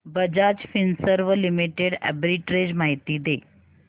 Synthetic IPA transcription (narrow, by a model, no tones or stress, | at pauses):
bɐd͡ʒaːd͡ʒfinsəɾʋəlimiʈeɖɛ̰bɾiʈɾeːd͡ʒmaːɦit̪id̪eː